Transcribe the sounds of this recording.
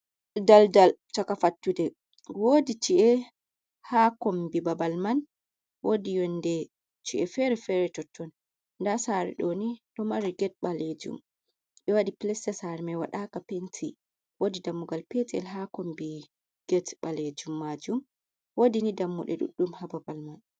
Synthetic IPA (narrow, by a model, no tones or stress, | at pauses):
daldalt͡ʃakafatːudɛ | wodit͡ʃiʔɛ | hakɔmbibabalman | wodijɔndɛ | t͡ʃiʔɛfɛɾɛfɛɾɛtɔtːɔn | ndasaɾɛ̰ɗɔniɗɔmaɾiɡɛt̚ɓaled͡ʒṵm | ɓɛwadiplɛsɛsaɾmɛwa̰ɗakapentʰi | wodidamːuɡalpɛtɛ̰lɦakɔmbi | ɡ̥ɛtɓaled͡ʒumːad͡ʒum | wodinidamːṵɗɛ̰ɗṵɗːumhababalman